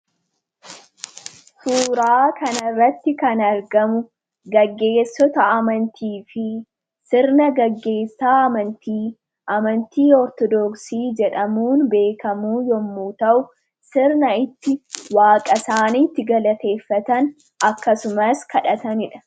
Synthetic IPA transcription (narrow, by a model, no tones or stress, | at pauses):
suːɾaːkʰɐnɐrːɐt̪ːɪkɐnɐɾɡɐmʊ | ɡɐɡːe̞ːsːɔt̪ɐɐmɐnt̪iːfɪ | sɪɾnɐɡɐɡːe̞ːsːaːɐmɐnt̪iː | ʔɐmɐnt̪iːɔɾt̪ɔd̪ɔksiːd͡ʒɛᶑɐmuːnbe̞ːkɐmuːjɔmːuːt̪ɐʔʊ | sɪɾnɐɪt̪ːɪwaːkʼɐsaːnit̪ːɪɡɐlɐt̪e̞ːfːɐt̪ɐn | ʔɐkːɐsʊmɐskɐᶑɐt̪ɐnɪᶑɐ̥